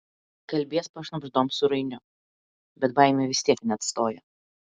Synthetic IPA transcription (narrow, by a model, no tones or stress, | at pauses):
kɐlʲbʲeɛspɐʃnɐbʒd̪oːmsʊɾɐɪnʲʊ | bʲɛt̪̚baɪmʲeʋʲɪst̪ʲiɛknʲɛɐt̪st̪oːjɛ